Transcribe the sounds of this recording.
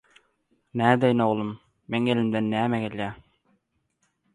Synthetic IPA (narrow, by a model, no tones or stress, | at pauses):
næːd̪æjnoʁlˠumː | eŋelimd̪enːæːmæɡʲelʲjæ